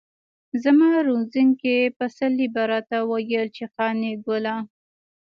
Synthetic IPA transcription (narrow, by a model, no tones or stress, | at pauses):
zəmɑɾunziŋkepəsalːibaɾat̪awajəlt͡ʃexɑneɡʊla